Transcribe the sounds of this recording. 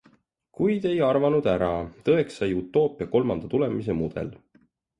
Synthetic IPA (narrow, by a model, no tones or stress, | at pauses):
kujd̪̥e̞jɑrvɑnud̪̥æɾɑt̪ɤe̞ksːɑjut̪ːˑo̞ːpːˑiɑko̞lmɑnd̪̥ɑt̪ule̞mise̞mud̪̥e̞̰l